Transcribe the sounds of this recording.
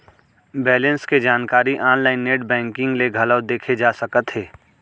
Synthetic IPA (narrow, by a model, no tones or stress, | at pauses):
bɛːlə̃nsked͡ʒaːnkaːɾiʔaːnlaːɪnːeːʈbɛ̃ːŋkɪ̃ŋɡleɡʱɐləd̪eːkʰed͡ʒaːsəkət̪ɦɛː